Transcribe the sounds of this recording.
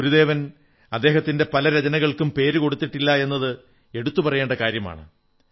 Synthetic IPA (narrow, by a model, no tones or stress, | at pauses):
uɾuðe̞ːʋɐn | ɐd̪ːe̞ːɦɐt̪ːinde̞pɐlɐɾed͡ʑɐnɐɣɐɭkumpe̞ːɾuko̞ɽut̪ːiʈːilːɐe̞nːɐðɨ | e̞ɽut̪ːupɐrɐjeːɳɖɐkaːɾjɐma̰ːɳɨ̰